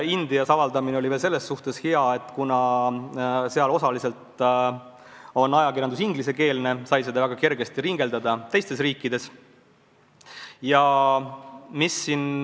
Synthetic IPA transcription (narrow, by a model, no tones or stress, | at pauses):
ind̪iɑsɑvɑld̪ɑmineolʲiveːlse̞lːesːuht̪e̞sheɑe̞t̪ːˑkunɑ | se̞ɑlo̞sɑlise̞lt̪ | o̞nːɑjɑkirjɑnd̪usiŋɡ̥lise̞ke̞ːlne̞sɑjse̞d̪ɑvæɡ̥ɑke̞rɡe̞st̪iɾiŋɡ̥e̞ld̪ɑd̪ɑt̪e̞jst̪e̞sriːkːid̪̥e̞s | jɑ | misːin